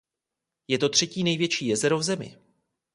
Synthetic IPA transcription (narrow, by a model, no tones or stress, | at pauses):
jɛt̪o̞t̪r̝̥ɛciːnɛjvjɛt͡ʃiːjɛzɛɾovzɛmɪ̰